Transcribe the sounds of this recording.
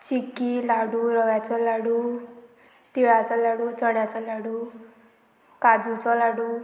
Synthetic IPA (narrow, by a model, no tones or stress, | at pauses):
t͡ʃikilaɽuɾɔʋjat͡sɔlaɽu | t̪iɭat͡sɔlaɽut͡sɔɽjat͡sɔlaɽu | kad͡zut͡sɔlaɽu